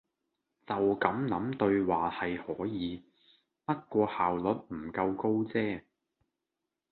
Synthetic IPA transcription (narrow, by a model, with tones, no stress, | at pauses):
t͡sɐ˨wkɐ˨˥mnɐ˨˥mt̪ɵ˧ɥwaː˨˩hɐ˨jhɔː˨˥jiː˨˧˦ | pɐ˥t̚kʷɔː˧haː˨wlɵ˨˥t̚m̩˨˩kɐ˧wko˥wt͡sɛː˥